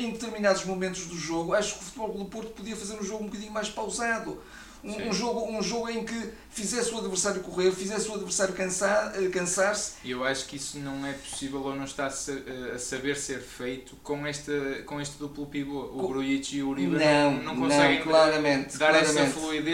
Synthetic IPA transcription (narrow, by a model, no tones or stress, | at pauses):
ẽd̪ɨt̪ɨɾminaðuʒmumẽnt̪uʒðuʒoɣuaʃu̥ku̥fut̪βɔlˠʁuðupoɾt̪u̥puðiɐfɐzeɾũʒoɣũbukɐðiɲumajʃpawzaðu | ũũʒoɣuũʒoɣuẽj̃kɨ | fizɛsuɐðvɨɾsaɾjukuʁeɾfizɛsuɐðvɨɾsaɾjukɐ̃sakɐ̃saɾsiewaʃu̥kisunɐ̃w̃ɛpu̥sivɛlˠonɐ̃w̃ʃt̪asɐɐsɐβeɾseɾfejt̪u̥kõɛʃt̪ɐkõeʃt̪ðuplˠupiβouβɾuit͡ʃiuɾivɾnɐ̃w̃nɐ̃wñkõsɛɣẽj̃klˠaɾɐmẽnt̪d̪aɾˠaɛɾɐtmɐẽnflˠuiðe